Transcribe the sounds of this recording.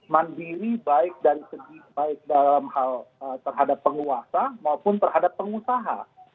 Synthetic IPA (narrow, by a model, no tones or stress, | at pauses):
mandiɾibaɪk̚daɾisəɡibaɪk̚dalamhalət̪ərɦadapːəŋuasamaupʊnt̪ərɦadapːəŋusaɦa̰